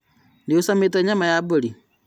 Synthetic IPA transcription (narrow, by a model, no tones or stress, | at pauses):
ndiusameteɲamajaboli